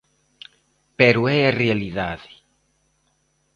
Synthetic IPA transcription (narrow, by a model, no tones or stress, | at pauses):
peɾuɛarealiðaðe̥